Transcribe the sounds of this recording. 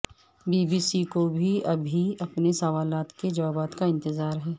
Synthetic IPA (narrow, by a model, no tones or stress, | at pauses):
biːbiːsikobʱiɐbʱiɐpnesɐʋaːlaːt̪ked͡ʒɐʋaːbaːt̪kaɪ̃nt̪ɪzaːɾɦɛː